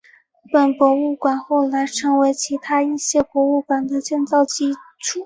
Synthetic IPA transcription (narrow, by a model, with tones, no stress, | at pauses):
pə˨˩npwɔ˧˥u˥˩kwa˨˩nxo˥˩ʊla˧˥ɪʈ͡ʂʰɤ˧˥ŋwe˧˥ɪt͡ɕʰi˧˥t̪ʰa˥i˥˩ɕjɛ˥pwɔ˧˥u˥˩kwa˨˩nd̪ə˦t͡ɕjɛ˥˧nt͡sɑ˥˧ʊt͡ɕi˥ʈ͡ʂʰu˥˩